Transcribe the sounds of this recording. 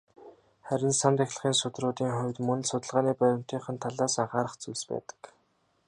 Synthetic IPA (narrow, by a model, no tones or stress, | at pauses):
χæɾʲɪ̆nsamt̪æxʲɮə̆χiːnsʊt̪rʊːt̪iːŋχʊwʲt̪mɵn̆ɮsʊt̪ə̆ɮʁaːniːpæɾʲɪ̆m̥t̪ʰiːχə̆nt̪ʰaɮaːsaɴχaːɾə̆χt͡suɮspæ̰ːt̪ə̥̆k